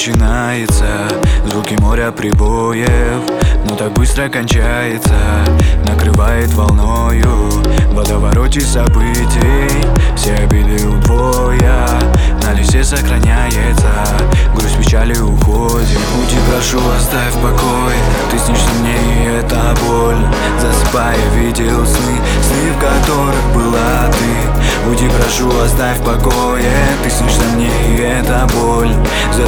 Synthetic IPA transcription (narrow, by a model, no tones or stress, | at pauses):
t͡ɕɪnajɪt̪sə | zvukʲɪmo̞ɾʲɐpɾʲɪbojɪfnot̪ak̚bɨst̪ɾəkɐnʲt͡ɕajɪt̪sənəkɾɨvajɪt̪vɐlˠnojʊvɐd̪əvɐɾotʲɪsɐbɨ | tʲɪj | fsʲeɐbʲid̪ɨjʊbo | jɐ | nɐlʲɪsʲesəxɾɐnʲajɪt̪sə | ɡɾusʲpʲɪt͡ɕalʲɪʊxo | dʲɪbudʲipɾɐʂuvɐszd̪afpɐkojɛ | t̪ɨsʲnʲiʂzɐmnʲei | ɛt̪ə | bolʲ | zɐsɨ̥pajɪvʲidʲɪlˠsʲnɨ | sʲnʲifkɐt̪o̞ɾɨxbɨlˠa | t̪ɨ | budʲipɾɐʂuɐsd̪ajʲfpɐkojɛ | t̪ɨsʲnʲiʂzɐmnʲeɪɛt̪əbolʲ | zɐ